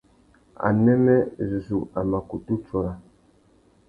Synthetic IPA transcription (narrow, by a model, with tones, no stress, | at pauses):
a̰˨nɛ˦mɛ˦zu˨zu˨a˨ma˨ku˨tu˦t͡ʃɔ˨ɾa˨